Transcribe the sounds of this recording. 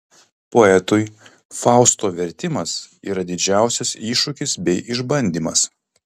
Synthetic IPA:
poɛt̪ʊɪ | fɑˑʊst̪oːʋʲɛɾʲt̪ʲɪmɐsḭːɾɐd̪ʲɪd͡ʒʲæˑʊsʲɛsiːʃʊkʲɪsbʲɛɪʔɪʒbɐnʲd̪ʲiːmɐs

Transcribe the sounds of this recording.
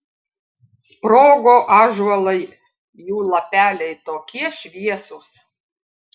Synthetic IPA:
spɾoːɡoːʔɑːʒɐlˠɐɪ | juːlˠɐpʲæːlʲɛɪt̪oːkʲiɛʃʲʋʲiɛsʊs

